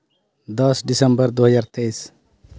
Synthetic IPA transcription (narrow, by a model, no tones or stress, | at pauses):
d̪ʌsɖisəmbəɾd̪oːɦəzaːɾt̪ejs